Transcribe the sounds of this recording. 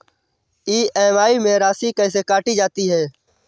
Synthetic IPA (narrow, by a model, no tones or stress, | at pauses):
iːʔeːʋaːiːmẽːɾaːsiːkəɪ̃ːs̬eːkaːʈiːd͡ʒaːt̪iːɦɛː